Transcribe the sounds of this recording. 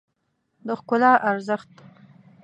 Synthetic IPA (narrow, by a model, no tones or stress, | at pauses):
d̪əxkʊlɑʔaɾzəxt̪